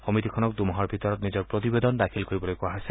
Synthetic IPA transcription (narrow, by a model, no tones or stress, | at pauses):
hɔmit̪ikʰɔnɔk̚d̪umɔɦɔɹbʱit̪ɔɾɔt̪nid͡ʒɔɹpɾɔt̪ibed̪ɔnd̪akʰilkoɾibɔlojkuaɦase